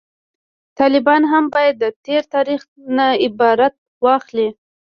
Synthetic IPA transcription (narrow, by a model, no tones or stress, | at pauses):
t̪ɑlɪbɑnɦambɑjad̪ːət̪eɾt̪ɑɾix | naɪbɑɾat̪̚ | wɑxli